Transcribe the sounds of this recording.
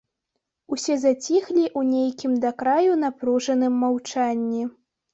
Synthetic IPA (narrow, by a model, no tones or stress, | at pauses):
usʲɛzat͡sʲixlʲiʔunʲejkʲimd̪akɾajun̪apɾuʐɐnɨmːawt͡ʂanʲːɛ